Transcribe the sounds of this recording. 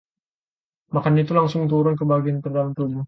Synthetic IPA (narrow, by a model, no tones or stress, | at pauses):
makanit̪ulaŋsʊŋt̪uɾʊnkəbaɡiant̪ərdalamt̪ud͡ʒʊ